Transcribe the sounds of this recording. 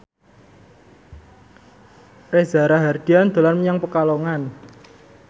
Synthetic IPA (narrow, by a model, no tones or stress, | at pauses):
reza̤ɾaɦard̪̥i̤and̪̥o̤lanməɲaŋpəkaloŋan